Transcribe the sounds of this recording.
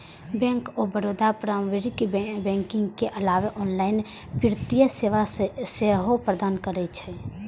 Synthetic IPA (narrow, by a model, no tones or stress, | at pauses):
bɛ̃ːŋkobəɾoːd̪ʱapɾaːmʋeɾɪkbɛ̃ːŋkɪ̃ŋɡkeʔɐlaːʋeʔɔːnlaːɪn | pɪɾɪt̪ijəseaseɦopɾəd̪aːnkəɾet͡ʃʰɛ